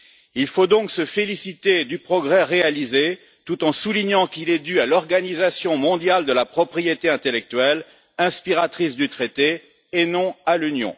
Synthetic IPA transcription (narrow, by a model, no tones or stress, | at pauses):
ilfod̪ɔ̃ksəfelisit̪ed̪ypχɔɡʁɛʁealize | t̪ut̪ɑ̃suliɲɑ̃kilɛd̪yalɔʁɡanizasjɔ̃mɔ̃d̪jald̪əlapχɔpχijet̪eɛ̃t̪elɛk̚t̪ɥɛl | ɛ̃spiʁat̪χisd̪yt̪χet̪eː | nɔ̃alynjɔ̰̃